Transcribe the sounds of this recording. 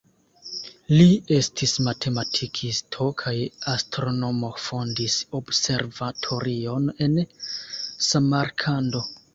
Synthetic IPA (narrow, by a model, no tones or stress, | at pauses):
lie̞stʰismatʰe̞matʰikʰistʰo̞kʰajastɾo̞no̞mo̞fo̞ndisobse̞ɾvatʰo̞ɾio̞ne̞n | samaɾkʰando̞